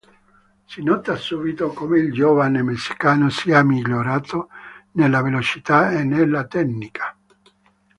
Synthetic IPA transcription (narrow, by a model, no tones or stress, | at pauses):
sinɔt̪asubit̪okomeild͡ʒɔvanemesːi̥kaːnosiamːiʎːoɾaːt̪onelːavelot͡ʃit̪aenːelːat̪ɛnnikʰḁ